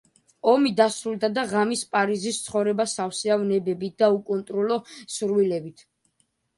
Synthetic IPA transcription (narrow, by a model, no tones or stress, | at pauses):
ɔmid̪asɾulˠd̪ad̪aʁamispʼaɾizist̪sʰχɔvɾɛbasafsiavnɛbɛbit̪̚d̪aukʼɔnt̪ʼɾɔlɔsuɾvilɛbit̪ʰ